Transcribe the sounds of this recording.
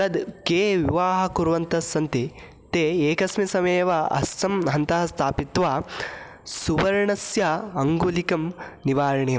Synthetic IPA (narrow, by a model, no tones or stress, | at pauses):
ɐd̪keːʋiʋaːɦɐ̆kuɾʋɐnt̪ɐsːɐnt̪i | t̪eːeːkɐsmisɐmeːʋɐɐ̰st̪ɐmɦɐnt̪ɐɦɐst̪ʰaːpit̪ʋaː | suʋɐɾɐɳɐsjɐɐŋɡulikɐmniʋaːɾɐɳijɐ